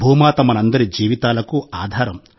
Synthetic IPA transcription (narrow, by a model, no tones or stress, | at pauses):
bʱuːmaːt̪ɐmɐnɐnd̪ɐɾid͡ʒiːʋit̪aːlɐkuaːd̪ʱaːɾɐm